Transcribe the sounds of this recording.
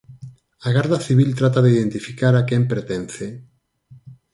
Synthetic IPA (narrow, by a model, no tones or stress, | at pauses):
aɣaɾðaθiβilt̪ɾat̪aðeiðent̪ifikaɾakempeɾt̪ɛn̟θe